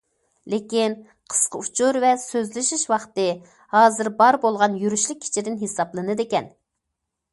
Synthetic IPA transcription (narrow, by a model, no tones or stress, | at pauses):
lekʲin | qʰə̥sqəut͡ʃʰuɾvɛsøzlɪʃiʃwɑχt̪ɨ | hɑːzɨɾbɑɾbolˠʁɑnjyɾyʃlɪkʲʰːi̥t͡ʃʰid̪ɪnɦesɑplˠɨnɨd̪ekʲɛn